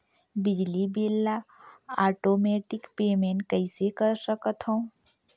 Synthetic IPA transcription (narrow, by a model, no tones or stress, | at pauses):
bɪd͡ʒlibelːaaːʈomeʈɪkpeːmeɳʈ̚kəɪsekəɾsəkət̪ɦə̃